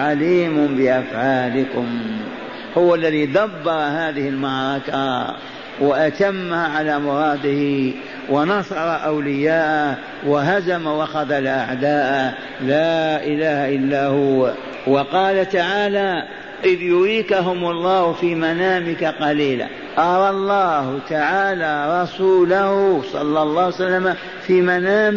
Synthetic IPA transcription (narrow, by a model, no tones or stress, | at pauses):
ʕaliːmʊbɪʔafʕaːlɪkʊm | hʊwalːaðiːd̪abːɑɾˤɑhaːðɪhɪlmɑʕɾˤɑka | waʔat̪amːaʕalaːmʊɾˤɑːd̪ɪhi | wɪnɑsˤɑɾˤɑʔawlɪjaːʔa | waɦazamawɑxɑðalʔaʕd̪aːʔ | laːʔɪlaːhaʔɪlːaːhʊa | wɑqɑːlat̪aʕaːla | ʔɪðjʊɾiːkaɦʊmʊlˤːɑːhʊfiːmanaːmɪkaqɑliːla̰ | ʔɑɾˤɑlˤːɑːhʊt̪aʕaːlaɾˤɑsuːlahʊsˤɑ̰lːɑlˤːɑːhsalːama | fiːmanaːm